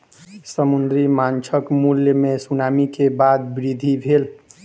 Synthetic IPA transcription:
səmund̪ɾimant͡ʃʰəkmuljəmesunamikebad̪̚bɾid̪ʱibʱel

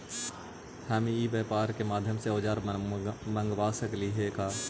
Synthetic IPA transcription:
hɛːmiiːbeːpaːɾkemaːd̪ʱjəmseoːd͡ʒaːɾmə̃ŋɡwaːsəkliɦekaː

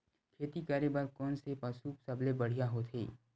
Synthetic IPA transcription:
kʰeːt̪ikaːɾebaɾkɔːnsepəsuːpsɐblebəɽ̤ijaɦoːt̪ʰḛː

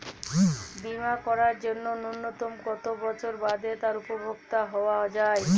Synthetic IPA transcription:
bimakɔɾaɾd͡ʑonːonunːot̪omkɔt̪obɔt͡ɕʰoɾbad̪et̪aɾupobʱoɡ̚t̪aɦɔoad͡ʑae

